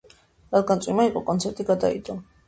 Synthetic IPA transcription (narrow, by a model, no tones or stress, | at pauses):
ɾatd̪ɡansʼwimaiqʼɔkʼɔnt̪sʰɛɾt̪ʼiɡad̪a̰ḭd̪ɔ